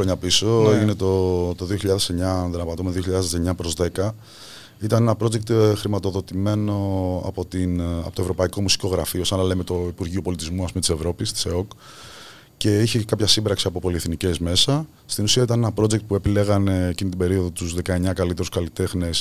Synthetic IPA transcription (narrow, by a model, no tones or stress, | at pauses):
ɾoɲɐpiso̞ine̞t̪ot̪oðio̞çiʎɐðe̞seɲɐnðinɐpɐt̪omeðio̞çiʎɐðezðeseɲɐpɾo̞zðe̞kɐ | it̪ɐne̞nɐpɾo̞d͡ʑek̚t̪xɾimɐt̪o̞ðo̞t̪ime̞no̞ɐ̰po̞t̪inɐ̰pot̪ovɾo̞pɐiko̞musi̥ko̞ɣɾɐ̰fio̞sɐnɐle̞me̞t̪o̞ipuɾʝio̞po̞lit̪izmuɐspumet̪ise̞vɾo̞pist̪i̥seo̞k | ce̞içekɐpçɐsimbɾɐksiɐpo̞po̞lieθnice̞zme̞sɐ | st̪inusiɐit̪ɐnenɐpɾo̞d͡ʑekt̪̚pue̞pile̞ɣɐne̞ːcinit̪ibe̞ɾio̞ðo̞t̪uzðe̞kɐeɲɐkɐlit̪e̞ɾuskɐlit̪e̞xnes